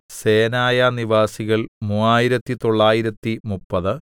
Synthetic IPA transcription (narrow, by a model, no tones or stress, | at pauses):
se̞ːnaːjɐniʋaːsiɣɐɭmuːaːjiɾɐt̪ːit̪o̞ɭːaːjiɾɐt̪ːimupːɐðɨ